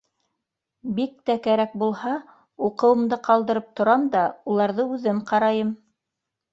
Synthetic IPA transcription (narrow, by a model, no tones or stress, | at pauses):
bik̚t̪ækæɾæk̚bulˠhɑ | uqɤ̆wɤ̆md̪ɤqɑlˠd̪ɤ̆ɾɤp̚t̪ŏɾɑmd̪ɑulˠɑɾðɤʉðɘmqɑɾɑjɤm